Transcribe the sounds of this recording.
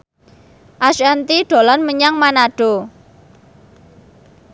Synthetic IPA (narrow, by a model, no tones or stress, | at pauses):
ʔaʃant̪iɖ̥o̤lɔnməɲaŋmanaɖ̥o̤